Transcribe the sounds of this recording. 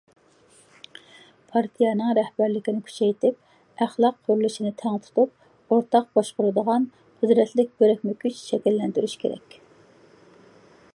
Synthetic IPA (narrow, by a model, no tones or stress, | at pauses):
pʰɑɾt̪ʰijɑnɨŋɾɛhbæɾlɪkʲinɪkʲʰy̥t͡ʃʰɛjt̪ʰɪp̚ | æχlˠɑqʰːoɾlˠɨʃinɨt̪ʰɛŋt̪ʰu̥t̪ʰup̚ | oɾt̪ʰɑq̚bɑʃqʊɾɨd̪əʁɑn | qʰɨd̪ɾɛt̪lɪk̚ʲbøɾɛkʲmykʲyt͡ʃʃɛkʲɛlːɛnd̪yɾyʃkʲʰḛɾɛ̰kʲ